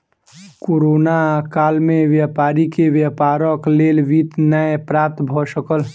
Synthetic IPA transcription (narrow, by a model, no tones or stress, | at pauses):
koːɾoːnakaːlmẽʋjaːpaːɾikeʋjapaːɾəkleːlʋit̪nəepɾaːt̪bʱɔsəkəl